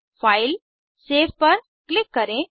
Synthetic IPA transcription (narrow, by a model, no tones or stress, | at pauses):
faːɪl | seːbpɐɾ | klɪkːɐɾẽ